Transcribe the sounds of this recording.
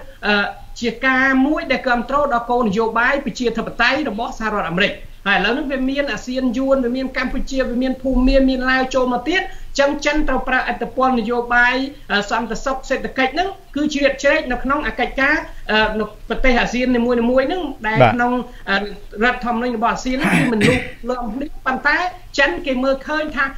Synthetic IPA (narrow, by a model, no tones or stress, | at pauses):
ʔəː | t͡ɕiəkaːmuəjɗaɛlkɔ̆əmt̪roːɗɑlkoːnɨjoːɓaːjprɑt͡ɕiət̪ʰəpːat̪ajrɔɓɑhsahaɾɔ̆ət̪̚ʔːmeɾɨc̚ | haːjələwnɨŋʋiəmiənʔaːziənjuənʋiəmiənkamput͡ɕiəʋiəmiənpʰuːmːiəmiənlaəwt͡ɕoːlmɑːt̪iət̪̚t͡ɕəŋt͡ɕənt̪rəwprahʔət̪ʰːepŏəlnːɨjoːɓaːjʔəːsɑnt̪esok̚seːt̪ʰːakəc̚nɨŋkɨːt͡ɕriət̪̚t͡ɕrɛːc̚nɨwkʰnoŋʔaːkəc̚kaːʔəːnɨwprɑt̪eːhʔaːsiənːiːmuəjniːmuəjnɨŋɗaɛkʰnoŋ | ʔəː | rə̆ət̪ʰːŏəmənuɲrɔɓɑhʔaːziənːɨŋʋiəmɨnluːp̚loəmpʰnihpont̪aɛ | t͡ɕənkeːməːlkʰəːɲt̪ʰaː